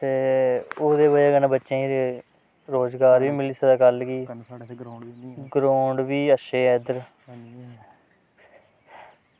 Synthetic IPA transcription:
t̪eːoːd̪eːbəd͡ʒaːɡənãbətːʃẽːiɾe | ɾoːzɡaːɾʋiːmɪliːsəd̪aːkəlɡiː | ɡɾoːɳɖʋiːəʃeːɛd̪əɾ

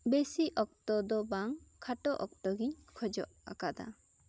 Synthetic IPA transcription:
besiʔɔk̚t̪ɔd̪ɔbaŋkʰaʈɔʔɔk̚t̪ɔɡiɲkʰɔd͡ʒɔ̰ʔa̰kad̪a̰

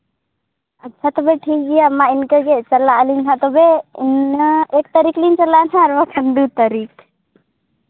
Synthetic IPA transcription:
ətːt͡ʃʰat̪obeʈʰiːk̚ɡijamːaɪnkəket͡ʃəlalintʰãt̪obeɪnek̚t̪əɾiklint͡ʃəlanãːɾʋakʰənd̪ut̪aɾik

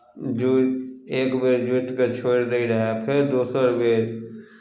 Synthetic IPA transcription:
d͡ʒueːkbeːɾd͡ʒʊʈket͡ʃʰoːɽd̪eiɾaɦɛpʰɪɾd̪uːsəɾbeːɾ

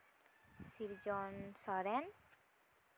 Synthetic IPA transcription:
siɾd͡ʒɔnsɔɾen

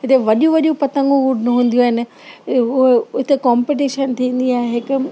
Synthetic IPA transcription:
ɦɪt̪eʋɐɗũʋɐʄjũpɐt̪ə̃ŋɡõuɖʱnʊɦũːn̆d̪ijuaːɦɪnɪ̆ | ʊɦeʊɦɪt̪ekɔːmpiʈ̬iʃənt̪ʰĩːn̆d̪iaːɦeɦɪkʊ

